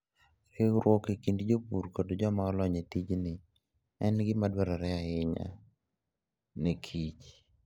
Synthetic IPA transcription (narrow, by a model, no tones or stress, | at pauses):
eɾwɔkekindd͡ʒopuɾkodd͡ʒɔmaɔlɔɲetid͡ʒnɪ | ɛnɡɪmadwɛɾaɾɛaɪɲa̰ | nekʰit͡ʃ